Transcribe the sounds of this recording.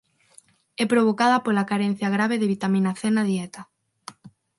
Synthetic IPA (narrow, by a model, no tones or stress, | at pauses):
ɛpɾoβokað̞apolakaɾen̟θjaɣɾaβeðeβit̪amĩnaθenaðiet̪a